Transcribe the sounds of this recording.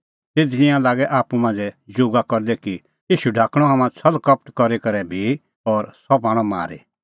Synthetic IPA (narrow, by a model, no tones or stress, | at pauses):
t̪ed̪ɪ̃jãlaːɡɛʔaːpumãːnd͡zɛd͡ʒoɡakɔɾd̪ɛki | iːʃuɖʱaːkɽ̃ɔɦaːmãt͡sʰɐlkɐp̚ʈkɔɾikɐɾɛbʱi | ɔːɾsɔp̬aːɽ̃ɔma̰ːɾḭ